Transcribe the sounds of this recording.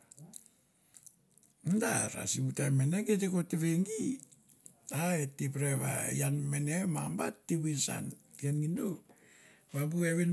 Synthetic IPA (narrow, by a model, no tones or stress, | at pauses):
mundaɾa̰siβutameneketekoteβeŋɡi | aetipɾeβa̰j̰anmenemamba̰tːiβinsa̰n | ianɡindo | βabueβin